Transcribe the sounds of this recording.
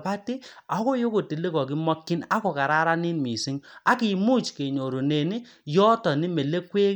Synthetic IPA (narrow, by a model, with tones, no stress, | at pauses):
pa˦ti˦a˨˦ko˦jo˦ko˨ti˨le˦kɔ˨ki˦mɔ˦kːi˦na˦kɔ˨ka˨ɾa˦ɾa˦ni˦nmi˨si˦ŋa˨ki˨mu˦t͡ʃke˨ɲo˨ɾo˨ne˨ni˦ | jɔ˦tɔ˨ni˦me˨le˦kwe˦